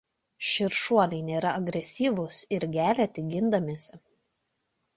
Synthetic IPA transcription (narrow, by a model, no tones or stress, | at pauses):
ʃʲɪɾʃuɔlʲɛɪnʲeːɾɐɐɡɾʲɛsʲiːʋʊsɪɾɡʲæːlʲɛt̪ʲɪɡʲɪnd̪ɐmʲiːsʲɛ